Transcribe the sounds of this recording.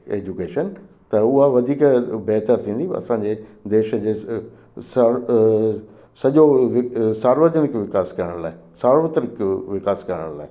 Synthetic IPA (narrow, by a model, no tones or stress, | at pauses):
ḛːd͡ʑukeːʃən | t̪ɐʊɦaʋɐd̪ʱiːkbɛːt̪əɾt̪ʰĩːn̆d̪iɐ̰sãɲd͡ʑed̪eːʃə̆d͡ʑeː | sa | sɐʄoʋɪsaːɾʋəd̪ənɪkʋɪkaːskɐɾəɽə̃ɽ̃laːɦɪ | saːɾʋət̪ɾəkʋɪkaːskɐɾəɽə̃ɽ̃la̰ːɦɪ